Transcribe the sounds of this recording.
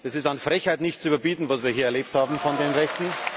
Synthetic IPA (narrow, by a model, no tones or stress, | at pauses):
d̥ɛsɪstanfʁɛçhaɪtnɪçtt͡sʊyːbɐbiːtn̩vasviːɐɦiːɐɛɐleːp̚thaːbm̩fɔndeːnʁɛçtn̩